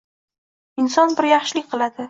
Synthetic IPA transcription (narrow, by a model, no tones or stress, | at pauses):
ɪnsɒnbɪɾjɑχʃɪlɪkʲqʰɨlˠad̪ɪ